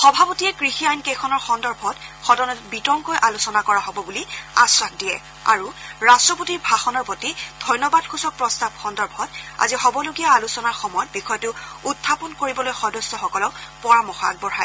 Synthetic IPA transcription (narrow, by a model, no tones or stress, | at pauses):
xɔbʱapotiɛkɹixiajnkejkʰɔnɔɹxɔndɔɹbʱɔtxɔdɔnɔbitɔŋkojʔalusɔnakɔɹaɦɔbɔbulia̰sɹakdijɛ̰ | a̰ɹuɹastɹɔpotiɹbʱaxɔnɔɹpotid̥ʱɔjnɔbad̚kʰusɔk̚pɹɔstab̚xɔndɔɹbʱɔta̰zixɔbɔloɡijaalusɔnaɹxɔmɔjɔt̚bixɔjɔtʊutʰːapɔnkoɹibɔlojxɔdɔsɔxɔkɔlɔʊpɔɹamɔxa̰ɡ̚bɔɹaj